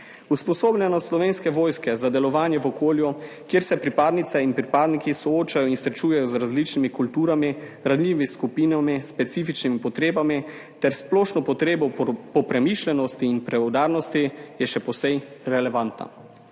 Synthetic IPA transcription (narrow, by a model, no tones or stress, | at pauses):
uspɔsoːblʲɛnɔslɔʋeːnskɛʋoːjskɛzad̪ɛlɔʋaːnjɛʋɔkoːlju | kjeːɾsɛpɾipaːd̪nit̪sɛinpɾipaːd̪nikisɔoːt͡ʃajɔinsɾɛt͡ʃuːjɛjɔzɾazlit͡ʃnimikult̪uːɾami | ɾanlʲiːʋiskupiːnamispɛt̪sifit͡ʃnimipɔt̪ɾeːbami | t̪ɛɾsplɔːʃnɔpɔt̪ɾeːbɔpɔpɾɛmiːʃlʲɛnɔst̪iːnpɾɛod̪aːɾnɔst̪ijɛʃɛpɔsɛjɾɛlɛʋant̪na̰